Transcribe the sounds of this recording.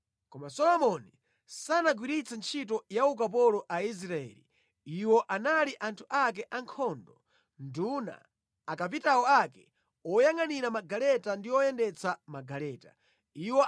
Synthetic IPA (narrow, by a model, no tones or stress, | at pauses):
kɔmasɔlɔmɔni | sanaɡwiɾit͡sant͡ʃʰit̬ɔjauk̬ap̬ɔlɔʔais̬ɾaɛ̰ːlḭ | iwɔʔanaliʔantʰuʔak̬ɛʔaŋkʰɔndɔ | nduna̰ː | kap̬itaɔakɛ̰ | ɔjaŋaniɾamaɡalɛtandiɔjɛndɛt͡sʰamaɡalɛːta | iwɔ